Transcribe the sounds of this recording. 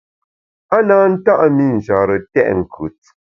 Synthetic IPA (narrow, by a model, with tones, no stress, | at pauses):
a˦naː˨˦n̩˦ta˦ʔmi˦n̩˨d͡ʒa˨ɾə˨tɛ̰˦˨ʔŋ̩˨kʰʉ˨t̚